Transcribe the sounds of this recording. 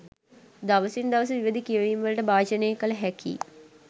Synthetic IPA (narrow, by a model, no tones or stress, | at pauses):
d̪aʋəsind̪ɐʋəs̬əʋiʋəd̪ikiəʋiːnʋələʈəbaːʃənejːkələɦækʰḭː